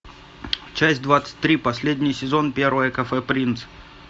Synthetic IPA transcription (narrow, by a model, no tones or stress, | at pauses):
t͡ɕæsʲtʲd̪vat̪sɨ̥t̚ʲt̪ːɾʲipɐsʲlʲedʲnʲɪjsʲɪzo̞npʲeɾvəjəkɐfɛpɾʲint̪s